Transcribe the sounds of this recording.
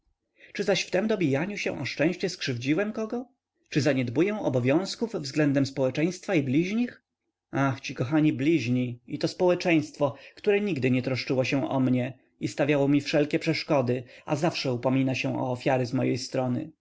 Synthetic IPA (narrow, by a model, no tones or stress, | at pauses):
t͡ʂɘzaɕft̪ɛmd̪ɔbʲijaɲuɕɛ̰̃ʔɔʂt͡ʂɛ̃w̃ɕt͡ɕɛskʂɘvd͡ʑiwɛmkɔɡɔ | t͡ʂɘzaɲɛd̪bujɛw̃ɔbɔvʲjɔ̃w̃skuvːzɡlɛnd̪ɛmspɔwɛt͡ʂɛ̃j̃st̪faiblʲiʑɲix | axt͡ɕikɔxaɲiblʲiʑɲiit̪ɔspɔwɛt͡ʂɛj̃st̪fɔkt̪uɾɛɲiɡd̪ɘɲɛt̪ɾɔʂt͡ʂɘwɔɕɛ̃ʔɔ̰mɲɛ | ist̪avʲjawɔmʲifʂɛlkʲɛpʂɛʂkɔd̪ɘa̰zafʂɛupɔmʲinaɕɛ̃ɔ̰ːfʲjaɾɘzmɔjejst̪ɾɔnɘ̰